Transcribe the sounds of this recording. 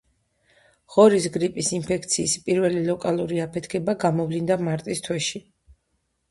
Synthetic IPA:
ʁ̥ɔɾisɡɾipʼisinpʰɛk̚ʰt̪sʰiːspʼiɾvɛlilɔkʼalˠuɾiapʰɛt̪ʰkʰɛbaɡamɔvlind̪amaɾt̪ʼist̪ʰwɛʃi

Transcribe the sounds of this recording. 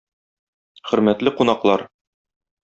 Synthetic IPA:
χɵ̆ɾmæt̪lɘqunɑqlˠɑɾ

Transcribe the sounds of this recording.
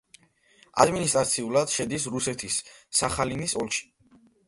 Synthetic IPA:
a̰d̪minist̪ʼɾat̪sʰiulˠad̪̥ʃɛd̪isɾusɛt̪ʰisːaχalinisɔlˠʃi̥

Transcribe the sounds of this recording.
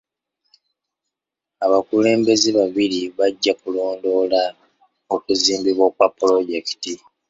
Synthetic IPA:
aβakule̞ːmbe̞ziβaβiɾiβaɟːakulo̞ːndo̞ːla | okuziːmbiβwokwapːulo̞ɟe̞ki̥ti

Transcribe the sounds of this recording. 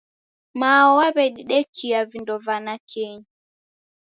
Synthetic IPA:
maɔwaβɛɗiɗɛkʰiavindɔvanakʰɛɲi

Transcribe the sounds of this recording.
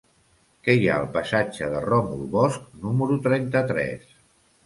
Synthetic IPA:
kɛja̰əlˠpəsad͡ʒəðərɔmṵlˠβɔsk̚numəɾut̪ɾɛnt̪ət̪ɾɛ̰s

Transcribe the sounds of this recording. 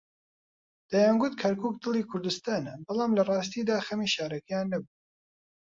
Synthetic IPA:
d̪̥ajaːnɡʊt̪kʰɐɾkʰuːk̚d̪ɨlˠiːkʰʊɾd̪ɨst̪aːnɐbɑlˠɑːmlɐrˤɑːst̪iːd̪aːxɐmiʃaːɾɐkɛjaːnːɐbu

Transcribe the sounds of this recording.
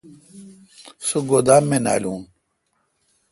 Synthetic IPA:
soɡod̪aːmːena̰ːlũː

